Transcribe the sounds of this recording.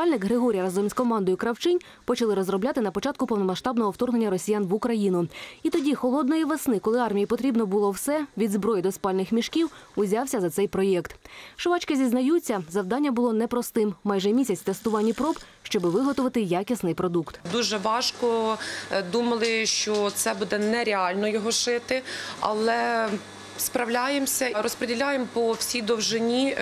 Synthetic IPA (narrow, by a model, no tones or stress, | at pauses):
ɑlʲnɪkɦɾɪɦɔɾʲijɐɾɐzɔmʲiskɔmɑnd̪ɔjʊkɾɐwt͡ʃɪnʲ | pɔt͡ʃɐlˠɪɾɔzɾɔblʲat̪ɪnɐpɔt͡ʃɑt̪̚kʊpɔwnɔmɐʃt̪ɑbnɔɦɔwt̪ɔrɦnenʲːɐɾɔsʲijanʋʊkɾɐjinʊit̪ɔdʲixɔlˠɔd̪nɔjiʋesnɪkɔlˠɪɑrmʲijipɔt̪ɾʲibnɔbʊlˠɔwsɛʋʲid̪zbɾɔjid̪ɔspɑlʲnɪxmʲiʃkʲiwʊzʲɑwsʲɐzɐt̪sɛjpɾɔjɛkt̪ʃʊʋɑt͡ʃkɪzʲiznɐjut͡sʲːɐzɐwd̪ɑnʲːɐbʊlˠɔnɛpɾɔst̪ɪmmɑjʒɛmʲisʲɐt͡sʲt̪ɛst̪ʊʋɑnʲːipɾɔb | ʃt͡ʃɔbɪʋɪɦɔt̪ʊʋɐt̪ɪjɑkʲisnɪjpɾɔd̪ukt̪d̪uʒɛʋɑʃkɔ | d̪umɐlˠɪʃt͡ʃɔt̪sɛbud̪ɛnɛɾʲeɑlʲnɔjɔɦɔʃɪt̪ɪɐ̰lˠɛ | spɾɐwlʲajemsʲɐɾɔspɾedʲilʲajempɔwsʲijd̪ɔwʒɪnʲi